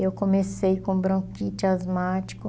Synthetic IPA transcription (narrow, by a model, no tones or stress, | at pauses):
ewkõmesejkõbɾɐ̃kit͡ʃɪazmat͡ʃi̥kʊ